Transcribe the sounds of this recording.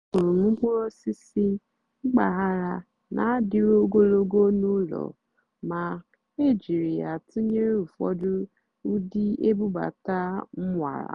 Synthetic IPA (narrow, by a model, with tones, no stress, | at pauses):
kʊ˨ɾʊ˨m̩˦k͡pɔ˦o˦si˦si˦ | ŋ͡m̩˦ɡ͡ba˨ɦa˦ɾa˨ | nʔa˨˦dɪ˨ɾo˦ɡo˦lo˦ɡo˦nu˦lɔ̰˨ | ma˨ | e˦˨d͡ʒi˨ɾi˨ja˨tu˦ɲe˦ɾu˨fɔ̰˦dʊ˦ | u˦di˦e˦bu˦ba̰˨ta˦m̩˦ŋʷa̰˨ɾa̰˨